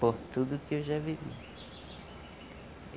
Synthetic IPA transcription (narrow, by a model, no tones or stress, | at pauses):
poht̪ud̪ʊkɪewʒavivḭ